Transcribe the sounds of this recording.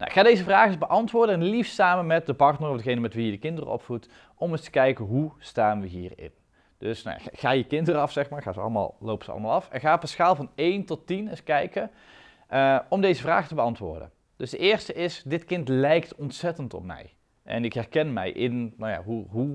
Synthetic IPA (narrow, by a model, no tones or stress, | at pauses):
na̰ʔɪkxaːdejzəvraːɣɪzbəʔɑntʋʊːɹdəɛnlifsaːmənmɛt̚dəpɑrtnərɔfdəɣejnəmɛtʋijədəkɪndərə̰ɔ̰pfut | ʔɔmɪstə̥kɛjkəɦustaːnʋəɦiːrɪ̰n | d̥øsna̰ja̰χaːjəkɪndərəɑfsɛxmaːɹχaːzəɑ̰ləma̰ːlˠlowpəz̥əɑ̰lˠəmaːlˠɑfɛ̰nxaːpaskaːlˠvɑnejntɔtːinɪskɛjkə | əɔmdejzəvra̰ːɣətəbəɑntʋʊ̰ːɹdə̰ | d̥øzdəʔɪːɹstəʔɪsdɪtkɪntlɛjktɔntsɛtəntɔ̰p̚mɛ̰j | ʔɛ̰nɪkɦɛrkɛnmɛ̰jʔɪnnawja̰ːɦuɦu